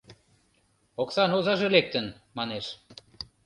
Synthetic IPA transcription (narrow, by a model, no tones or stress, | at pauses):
oksɑnozɑʒĕlek̚t̪ən | mɑneʃ